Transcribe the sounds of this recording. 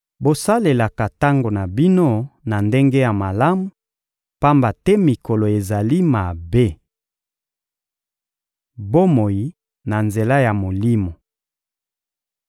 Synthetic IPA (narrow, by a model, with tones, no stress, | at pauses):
bo˨sa˦le˨la˨ka˨ta˦ŋɡo˨na˨bi˦no˦na˨nde˦ŋɡe˦ja˨ma˨la˦mu˨ | pa˦mba˨tɛ˦mi˨ko˨lo˨e˨za˨li˦ma˨be˦ | bo˦mo˨ji˦ | na˨nze˨la˦ja˨mo˨li˦mo˨